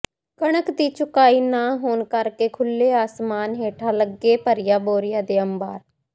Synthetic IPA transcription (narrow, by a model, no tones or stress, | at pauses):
kəɳ̃əkd̪iːt͡ʃʊkaːiːnaːɦoːnkəɾkeːkʰʊlːeːaːsmaːnɦeːʈʰaːləɡːeːpəɾɪjaːboːɾɪjaːd̪eːəmbaːɾ